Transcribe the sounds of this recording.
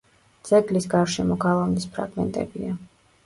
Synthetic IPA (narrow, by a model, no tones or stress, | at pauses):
d̪z̥ʼɛɡlisɡaɾʃɛmɔɡalˠavnispʰɾa̰ɡmɛ̰nt̪ʼɛ̰bia